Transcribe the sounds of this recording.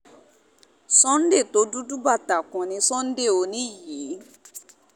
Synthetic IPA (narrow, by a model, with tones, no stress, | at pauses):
sɔ̃˦n̩˦de˦˨to˨˦du˦du˦ba˦˨ta˨kɔ̃˨nĩ˨˧˦sɔ̃˦n̩˦de˦˨o˧nĩ˦˨ji˨˦